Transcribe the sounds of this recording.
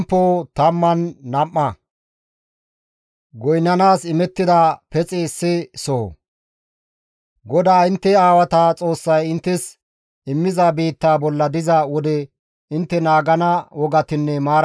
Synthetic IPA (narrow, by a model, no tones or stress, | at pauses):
mpːoːt̪ɐmːɐnːɐmːɐ | ɡɔjnːɐnaːsɪmɛt̪ːɪd̪ɐpɛt͡sʼɛsːɪsoː | ɡɔd̪aːɪnt̪ːɛaːwɐt̪at͡sʼo̞ːsːɐjɪnt̪ːɪs | ɪmːɪzabiːt̪ːaːbɔlːɐd̪ɪzɐwɔd̪ɛ | ɪnt̪ːɛnaːɡɐnɐwɔɡɐt̪ɪnːɛmaːɾ